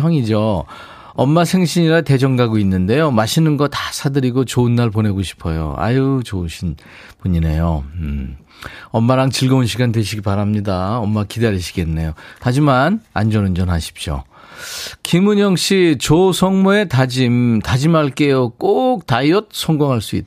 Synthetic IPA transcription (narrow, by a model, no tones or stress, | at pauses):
ʌŋid͡ʑo | ʌmːasʰe̞ŋɕʰiɲiɾate̞d͡ʑʌŋɡaɡoinːɯnde̞jomaɕʰinɯnɡʌtḁsʰadɯɾiɡot͡ɕoɯnːaɭpone̞ɡoɕʰi̥pʰʌjo̰a̰jut͡ɕouɕʰin | puɲine̞jo | ʌmːaɾaŋt͡ɕiɭɡʌunɕʰiɡandweɕʰiɡipaɾamɲidaʌmːakidaɾiɕʰi̥ɡe̞nːe̞jotad͡ʑimana̰nd͡ʑʌnɯnd͡ʑʌnɦaɕʰi̥p̚ɕ͈o̰ | kimuɲʌŋɕ͈ʰit͡ɕosʰʌŋmue̞tad͡ʑimtad͡ʑimaɭk͈e̞jok͈ok̚taiʌt̚sʰʌŋɡoŋɦaɭs͈uḭt̚